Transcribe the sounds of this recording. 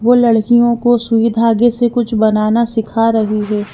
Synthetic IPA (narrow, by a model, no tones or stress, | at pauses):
ʋoːlɐɽkijõkosʊʋɪd̪ʱaːɡesekʊt͡ʃʰbɐnaːnasɪkʰaɾɐɦiɦɛː